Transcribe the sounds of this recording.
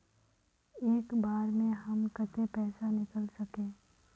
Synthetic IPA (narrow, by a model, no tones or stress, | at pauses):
eːkbaːɾmẽɦɐmkət̪epɛːsanɪkəlsɐkẽː